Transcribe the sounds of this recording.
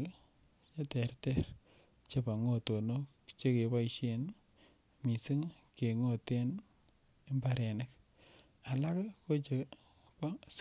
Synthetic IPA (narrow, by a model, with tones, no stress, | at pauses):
t͡ʃe˦tɛ˨ɾtɛ˦ɾ | t͡ʃe˦pa˨ŋo˦˨to˨no˦kt͡ʃe˦ke˨ba˦iʃe˨n | mi˨si˦ŋke˨ŋo˦˨te˦n | e˦mba˦ɾe˨nɪ˦k | a˨la˦kko˦t͡ʃe˨ | pa˦